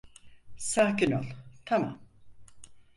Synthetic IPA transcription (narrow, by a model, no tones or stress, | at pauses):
saːkinolˠt̪ʰama̰m